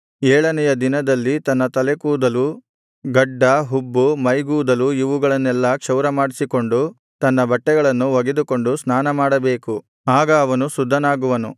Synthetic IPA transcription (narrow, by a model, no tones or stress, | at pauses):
ɛːɭɐnɛjɐd̪inɐd̪ɐlːit̪ɐnːɐt̪ɐlekuːd̪ɐlu | ɡɐɖːɐɦubːumɐjɡuːd̪ɐluiʋuɡɐɭɐnːɛlːɐkʂɐwɾɐmaːɽisiko̞ɳɖu | t̪ɐnːɐbɐʈːɛɡɐɭɐnːuʋɐɡed̪uko̞ɳɖusnaːnɐmaːɽɐbeːku | aːɡɐːʋɐnusud̪ʱːɐnaːɡuʋɐnṵ